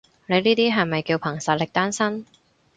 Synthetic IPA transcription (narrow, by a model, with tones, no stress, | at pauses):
ne˨˧niː˥t̪iː˥ɦɐ˨jmɐ˨jkiː˧wpʰɐ˨˩ŋsɐ˨t̚lɪ˨k̚t̪aː˥nsɐ˥n